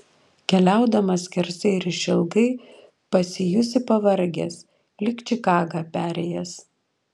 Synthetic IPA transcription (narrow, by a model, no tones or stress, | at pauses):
kʲɛlʲæˑʊd̪ɐmɐsʲkʲɛɾʲsʲɛɪɾʲɪʃʲɪlˠɡɐɪ | pɐsʲɪjʊsʲɪpɐʋɐɾʲɡʲeːs | lʲɪkt͡ʃʲɪkɑːɡɑpʲæːɾʲɛjɛs